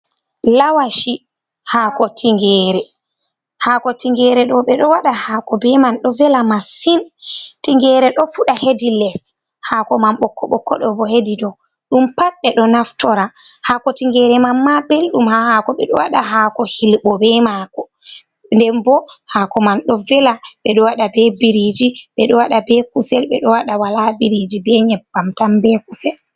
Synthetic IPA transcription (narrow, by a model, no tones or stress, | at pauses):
lawaʃi | hakɔtʰiŋɡɛːɾɛ | hakɔtiŋɡɛɾɛɗɔɓɛɗɔwaɗahaːkɔbɛmanɗɔvɛlamasintiŋɡɛɾɛɗɔfuɗahedilɛs | hakɔmamɓɔkːɔɓɔkːɔɗɔbɔhedidɔ | ɗumpaɾɓɛɗɔnaftɔɾahakɔtiŋɡɛɾɛmamːabelɗumhahakɔɓɛ̰ɗɔ̰wa̰ɗaɦakɔhilɓɔbɛmakɔ | ndɛmbɔhaːkɔmanɗɔvɛlaɓɛɗɔwaɗabɛbiɾid͡ʒiɓɛɗɔwaɗabɛkusɛlɓɛɗɔwaɗawalabiɾid͡ʒibɛɲɛbamtambɛkusɛl